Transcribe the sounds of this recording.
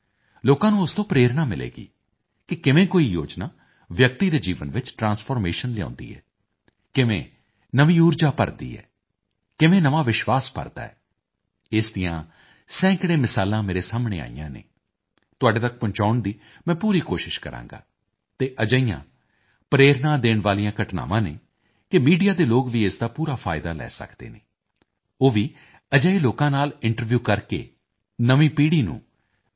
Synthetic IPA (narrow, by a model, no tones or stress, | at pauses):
loːkãːnũːʊst̪õːpɾeːɾnaːmɪlḛːɡḭː | kɪkɪʋẽːkoːiːjo̰ːd͡ʒnaː | ʋjək̚t̪iːɾeːd͡ʒiːʋənʋɪt͡ʃʈɾãːnspʰɔːɾmeːʃənlɪjã̰ːnd̪ḭːɛ̰ː | kɪʋḛ̃ː | nəʋĩːuːɾd͡ʒaːpə̰ɾd̪ḭːɛ̰ː | kɪʋẽːnəʋaːʋɪʃʋaːspə̰ɾd̪a̰ːɛ̰ː | ɪsd̪ɪjã̰ː | sɛ̃ːkɽeːmɪsaːlãːmeːɾeːsaːmɳḛːa̰ːḭjã̰ːnḛː | t̪ʊaːɖeːt̪ək̚pʊ̃ɲt͡ʃaːʊɳd̪iː | mɛ̃ːpuːɾiːkoːʃɪʃkəɾã̰ːŋɡa̰ː | t̪eːʔəd͡ʒəijã̰ː | pɾeːɾnãːd̪eːɳʋaːlijãːkəʈna̰ːʋãːnḛː | kɪmiːɖijaːd̪eːloːkʋiːesd̪aːpuːɾaːpʰa̰ːɪd̪a̰ːlɛ̰ːsə̰kd̪ḛːneː | oːʋiː | əd͡ʒəːiːloːkãːnaːlɪɳʈəɾʋjuːkəɾkḛː | nəʋĩːpiːɽiːnṵ̃ː